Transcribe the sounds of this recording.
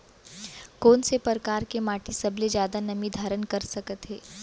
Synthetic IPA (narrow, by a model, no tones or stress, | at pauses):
koːnsepəɾkaːɾkemaːʈisɐbled͡ʒjaːd̪anɐmid̪ʱaːɾənkɐɾsɐkət̪ɦeː